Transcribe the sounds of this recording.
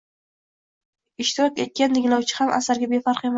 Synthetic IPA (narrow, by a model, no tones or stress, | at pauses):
ɪʃt̪ʰɪɾɒkʲe̞t̪̚kʲanːɪɡʲlˠawt͡ʃʰɪ̥hama̰saɾɡʲabe̞faɾqe̞ma